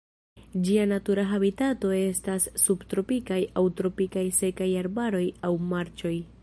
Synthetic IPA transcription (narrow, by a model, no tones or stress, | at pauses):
d͡ʒianatuɾaɦabitato̞e̞stasːubtɾo̞pikajawtɾo̞pikajse̞kajaɾbaɾo̞jawmaɾt͡ʃo̞j